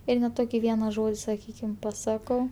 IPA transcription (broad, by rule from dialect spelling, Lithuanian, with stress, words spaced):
ˈɪr nʲɛ ˈtoːkʲɪ ˈʋʲiɛnɐ ˈʒoːdʲɪ sɐˈkʲiːkʲɪm pɐˈsɑːkɐʊ